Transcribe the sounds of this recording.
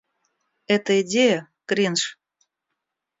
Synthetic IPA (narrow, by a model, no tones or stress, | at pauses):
ɛt̪əidʲejə | kɾʲinʂ